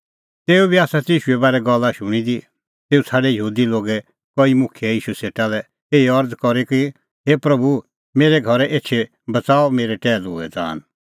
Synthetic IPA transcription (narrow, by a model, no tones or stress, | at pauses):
t̪eːubiaːsat̪iːʃuɛbaːɾɛɡɔlːaʃʊɽ̃id̪i | t̪eːut͡sʰaːɖɛjəɦuːd̪iloːɡɛ | kɔimʊ̃kʰijɛiːʃuseːʈalɛ | eːiɐɾd͡zkɔɾiki | ɦeːpɾɐbu | meːɾɛɡʱɔɾɛʔeːtːt͡ʃʃʰe | bɐt͡saːɔmeːɾɛʈɛːlɦo̰ːɛ̰d͡za̰ːn